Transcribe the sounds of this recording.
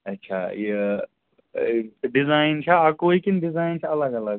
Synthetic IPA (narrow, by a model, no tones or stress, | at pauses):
ɐtːʃʰa̰je | ɖɪzaːɪnt͡ʃʰaakoːikinɖɪzaːint͡ʃʰɐɐləɡɐləɡ